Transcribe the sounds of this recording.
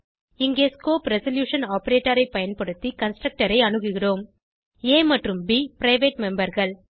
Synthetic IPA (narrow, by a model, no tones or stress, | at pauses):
ɪŋɡeːskoːpɾɛsɐljuːʂɐnaːpɐɾeːʈːɐɾɐɪpɐjɐnpɐɽɯt̪ːikɐnsʈɾɐk̚ʈɐɾɐɪɐɳɯɣɯɣɪroːm | eːmɐʈrɯmbiːpɾɐɪʋeːʈmɛmbɐɾɣɐɭ